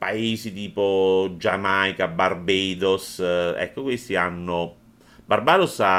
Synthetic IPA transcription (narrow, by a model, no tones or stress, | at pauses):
paeːzit̪iːpod͡ʒamajkabarbeːd̪osɛ̰kːokwest̪ianːo | barbaːd̪osa